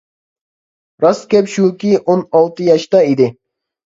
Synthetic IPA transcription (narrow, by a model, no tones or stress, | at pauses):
ɾɑskʲɛpʃukʲiʔonɑlˠt̪ɨjɑʃt̪ɑid̪ɪ